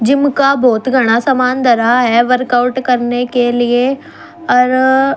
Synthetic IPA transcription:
d͡ʒɪmkabʱɔːt̪ɡʱɐɽ̃asɐmaːnd̪ɐɾaɦɛʋɐɾkaʊʈkɐɾnekelie | ɔːɾ

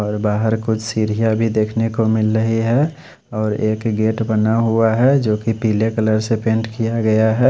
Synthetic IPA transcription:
ɔːɾbaːɦəɾkʊt͡ʃʰsiːɾijabʱid̪eːkʰnekomɪlɾəɦiɦɛ | ɔːɾeːkɡeːʈbənaɦuaɦɛd͡ʒoːkipiːlekələɾsepẽːɳʈkijaɡəjaɦɛː

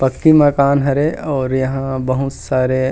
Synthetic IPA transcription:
pɐkːimɐkaːnɦɐɾeɔːɾjɐɦãbɐɦut̪saːɾe

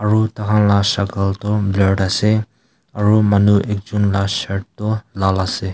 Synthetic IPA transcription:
aɹutakʰanlasakaltɔblɔɖasɛ | aɹumanuʔɛk̚d͡ʒunlasɛʈ̚tɔlalasɛ

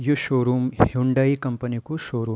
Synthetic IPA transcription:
juʃoːɾuːmhuɳɖɐikɐmpɐnikuʃoːɾuː

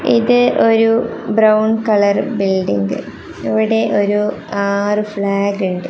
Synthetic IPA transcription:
ḭðɨʔo̞ɾubrɐwɳkɐɭɐrbilɖiŋɡɨ | iʋiɽe̞ʔo̞ɾuaːrɨfɭaːɡuɳɖɨ

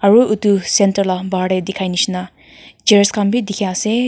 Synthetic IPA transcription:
ɐɾuʔut̪usentɐɾlabaɽed̪ikʰajnisna | d͡ʒeɾskambid̪ikʰiase

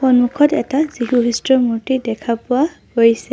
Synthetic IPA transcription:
xɔnmukʰɔtɛ̰taz̥iɦuɦistɹɔmuɹtidɛkʰapʊwa | ɦojsɛ

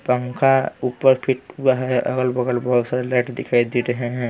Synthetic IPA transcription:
pə̃ŋkʰauːpəɾpʰɪʈaɦɛʔə̰ɡəlbəɡəlbɔɦd̪saɾlɛːʈd̪ɪkʰaid̪iɾəɦeɦɛ̃

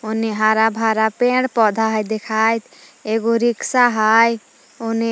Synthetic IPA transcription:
uniɦaɾabʱaɾapeɽpɔd̪ʱaɦəjd̪ekʰajt̪eɡoɾiksaɦaj | une

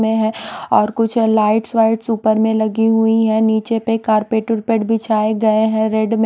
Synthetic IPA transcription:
mẽɦɛ̃ɔːɾkʊt͡ʃʰlaːɪʈswaːɪʈsuːpəɾmẽlɐɡiɦʊiɦɛ̃niːt͡ʃepekaːɾpeːʈəɾpeɖbʱɪt͡ʃʰaːeɡɐeɦɛ̃ɾɛɖm̃

